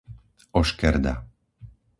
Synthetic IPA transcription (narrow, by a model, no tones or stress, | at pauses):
ɔʃkɛɾd̪a̰